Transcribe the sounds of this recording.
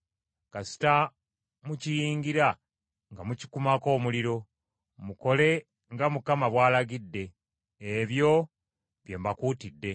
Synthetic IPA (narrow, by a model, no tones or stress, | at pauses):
kasi̥ta | mucijiːŋɡiɾa | ŋɡamuci̥kumako̞ːmuliɾo̞ | muko̞le̞ | ŋɡamukamaβwaːlaɡidːe̞ː | βjo̞ | βje̞ːmbakuːtidːe̞